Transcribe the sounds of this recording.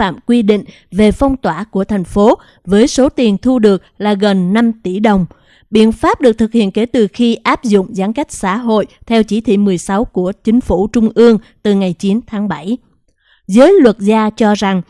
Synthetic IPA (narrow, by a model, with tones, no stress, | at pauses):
a̰ː˧˨mkwi˧ɗḭ̈˧˨ŋ̟ | ve˨˩fɔ˧wŋ͡mt̪waː˧˩ku˧˩ət̪ʰa˨˩jŋ̟fo˨˦ | vəː˨˦jso˨˦t̪i˨˩ənt̪ʰu˧ɗɨ˨˩ək̚laː˨˩ɣə˨˩nːa˧mt̪i˧˩ɗə˨˩wŋ͡m | ɓḭ˧˨ənfaː˦˥p̚ɗɨ˨˩ək̚t̪ʰɨ˨˩k̚hḭ˧˨ənke˧˩t̪ɨ˨˩xi˧ʔaː˦˥p̚zʊ̰˧˨ŋ͡mzaː˨˦nka˦˥k̟̚sa̰ː˧˥ɦo̰˧˨jt̪ʰɛ˧wt͡ɕi˧˩t̪ʰḭ˧˨mɨ˨˩əjsa˨˦wku˧˩ət͡ɕï˨˦ŋ̟fu˧˩t͡ɕʊ˧ŋ͡mʔɨ˧əŋ | t̪ɨ˨˩ŋa˨˩jt͡ɕi˨˦nt̪ʰaː˨˦ŋɓa˧˩j | zəː˨˦jlwə˨˩t̚zaː˧t͡ɕɔ˧za˨˩ŋ